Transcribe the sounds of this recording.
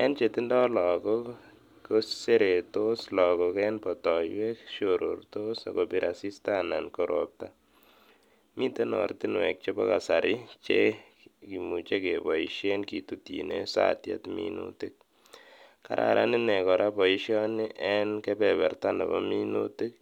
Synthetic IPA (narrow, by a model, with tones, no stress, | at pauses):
ɛ˦nt͡ʃe˨ti˦ndɔ˦lɔ˨kɔ | ko˦sse˦ɾe˨toslɔ˨kɔkɛnpɔtɔjwɛkʃoɾo̰ɾtosa̰˨kɔbi˨ɾʔa˨si˦sta˦nankɔɾʔop̚ta | mi˦te˦nɔ̰˨ɾti˦nwɛ̰˨k̚t͡ʃe˦bɔ˦ka˨sa˨ɾʔɪ˦t͡ʃe | ki˨mu˨t͡ʃe˦kebɔ˨iʃenki˨tutḭnesa̰tja̰˦tmḭnṵtik̚ | ka̰˦ɾʔa̰ɾʔa̰˦ni˦nɛ˨kɔ˨ɾʔa˦bɔ˨i˦ʃjɔnɪʔɛ˦nkɛbɛbɛ˨rta˦nɛ̰˨bɔminuti˦k̚